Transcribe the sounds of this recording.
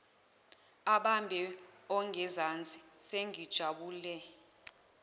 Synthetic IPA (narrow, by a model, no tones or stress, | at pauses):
aɓambʱɛɔŋʱɛzant͡sʼi̥seŋid̥ʒ̥ʱaɓuːlɛ